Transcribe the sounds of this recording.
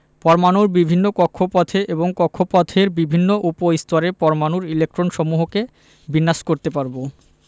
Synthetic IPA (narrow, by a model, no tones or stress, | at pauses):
pɔɾmanuɾbibʱinːokɔkʰːopɔt̪ʰeʔeboŋkɔkʰːopɔt̪ʰeɾbibʱinːoʔupoist̪ɔɾepɔɾmanuɾilek̚ʈɾonʃɔmuɦoke | binːaʃkoɾt̪epaɾbo